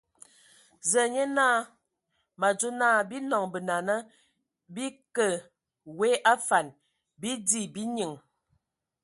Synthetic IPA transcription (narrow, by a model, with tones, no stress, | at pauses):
zə˨ɲə˦naː˦˨ | ma˨d͡ʒu˦naː˦˨bi˦nɔ˨ŋbə˨na˨nə˦ | bi˦kə˨ | we˦ʔa˦fa˨n | bi˦di˦˨bi˦ɲi˨ŋ